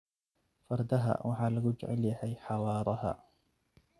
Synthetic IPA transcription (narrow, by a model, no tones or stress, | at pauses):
fɑɾˤd̪aɦa̰ːwʔaħalaɡʊd͡ʒʕa̰ljaħajħɑwɑːɾˤɑha̰